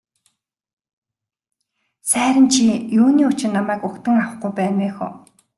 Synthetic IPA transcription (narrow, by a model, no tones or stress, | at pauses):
sæːɾʲə̆nt͡ɕʰijuːniːʊt͡ɕɪ̆rnamæːkʊkt̪ə̆ŋawə̆χɡujpæːnweːxɔ̰ː